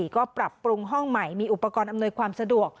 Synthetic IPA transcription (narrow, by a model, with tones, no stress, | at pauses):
kɔː˥˩pɾa˨˩pːɾu˧ŋɦɔ˥˩ŋma˨˩jmiː˧ʔu˨˩pːa˧kɔː˧nʔa˧mnu˧jkʰwaː˧msa˧du˨˩ək̚